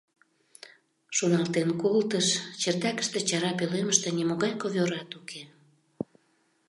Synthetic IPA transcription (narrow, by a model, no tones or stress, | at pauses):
ʃonɑlt̪enkolt̪əʃt͡ɕert̪ɑkə̥ʃt̪et͡ɕɑɾɑpøleməʃt̪enimoɣɑjkoβʲoɾɑt̪ukʰe